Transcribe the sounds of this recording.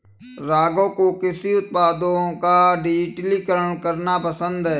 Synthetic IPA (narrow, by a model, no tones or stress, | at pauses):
ɾaːɡõkokɪsiʊt̪̚paːd̪õkaɖiʈlikəɾəɳkəɾnapəsə̃nd̪ɦɛː